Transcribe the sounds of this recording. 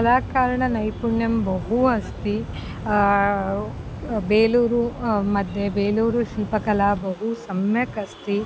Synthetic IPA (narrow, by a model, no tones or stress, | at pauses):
kɐlaːkaːɾɐɳɐnɐjpuɳjɐmbɐɦuɐst̪i | beːluːɾumɐd̪ʱjebeːluːɾuʃiːpɐkɐlaːbɐɦusɐmjɐkɐst̪i